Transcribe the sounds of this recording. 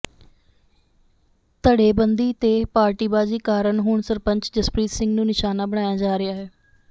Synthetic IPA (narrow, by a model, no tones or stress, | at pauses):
t̪əɽeːbənd̪iːt̪eːpaːɾʈiːbaːd͡ʒiːkaːɾəɳɦʊːɳsəɾpəɲt͡ʃd͡ʒəspɾiːt̪sɪ̃ŋɡnũːnɪʃaːnaːbəɽ̃aːjaːd͡ʒaːɾɪaːɦɛː